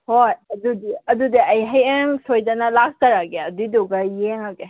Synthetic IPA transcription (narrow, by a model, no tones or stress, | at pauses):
hojɐdudiɐdudiɐjɦɐjeŋsʰojdɐnɐlak̚tɐɾaɡeɐdiduɡɐjeŋaɡe